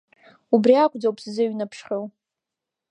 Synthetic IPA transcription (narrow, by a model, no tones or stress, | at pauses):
ubriakʷʰʼd͡zowpʰszɨɥnapʰʂχʲew